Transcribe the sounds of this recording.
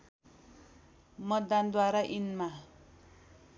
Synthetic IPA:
mʌːand̪waɾaʔinma

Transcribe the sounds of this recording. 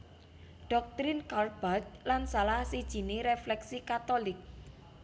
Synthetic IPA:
ɖ̥ɔ̤k̚t̪ɾɪnkal̚b̥at̪̚lansalahsid̥ʒ̥i̤neɾeflɛksikat̪olɪk̚

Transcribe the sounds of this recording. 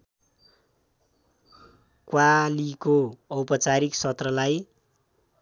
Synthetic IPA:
kwalikoʌwpʌt͡saɾiksʌt̪rʌlaj

